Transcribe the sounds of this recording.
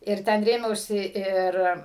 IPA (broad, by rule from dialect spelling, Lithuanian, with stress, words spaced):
ɪr ˈtʲɛn ˈrʲeːmʲɛʊsʲɪ ˈɪr